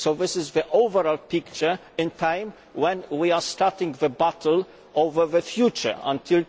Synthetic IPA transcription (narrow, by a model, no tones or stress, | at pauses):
soʊðɪsɪzðiʔoʊvəɹɔlˠpɪkt͡ʃə˞ | ɪ̃ntʰãɪ̃m | wɛ̃nwiastɑɹtɪ̃ŋðəbatʰl̩ | ovə˞ðəfjut͡ʃə̰˞ə̰̃ntʰɪl